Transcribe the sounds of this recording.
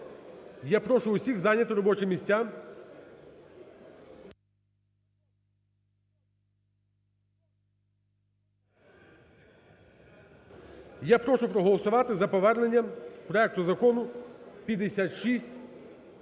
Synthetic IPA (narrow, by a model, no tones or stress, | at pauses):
japɾɔʃʊʊsʲiɣzɑnʲːɐt̪ɪɾɔbɔt͡ʃɪmʲisʲtʲːam | japɾɔʃʊpɾɔɦɔlˠɔsʊʋɑt̪ɪzɐpɔʋɛrnenʲːɐmpɾɔɛk̚t̪ʊzɐkɔnʊpʲjɐd̪esʲat̪ʃisʲtʲ